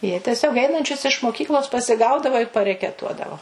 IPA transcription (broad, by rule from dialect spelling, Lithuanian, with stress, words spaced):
jiɛ tʲɛˈsʲoːk ˈɛɪnɐnʲt͡ʃʲʊs ɪʃ moːˈkʲiːklˠoːs pɐsʲɪˈɡɐʊdɐʋɐ ɪr pɐrʲɛkʲɛˈtuɔdɐʋoː